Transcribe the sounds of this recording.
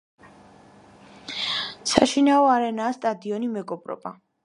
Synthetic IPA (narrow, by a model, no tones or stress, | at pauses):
saʃinaɔaɾɛnaːst̪ʼad̪iɔnimɛɡɔbɾɔ̰ba̰